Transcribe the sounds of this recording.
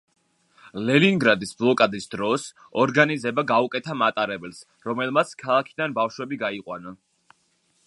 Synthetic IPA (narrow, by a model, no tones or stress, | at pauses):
lɛliŋɡɾad̪isblˠɔkʼad̪isd̪ɾɔs | ɔɾɡanizɛbaɡaukʼɛt̪ʰamat̪ʼaɾɛbɛls | ɾɔmɛlˠmat̪sʰkʰalˠakʰid̪anbafʃwɛbiɡaiqʼwanɔn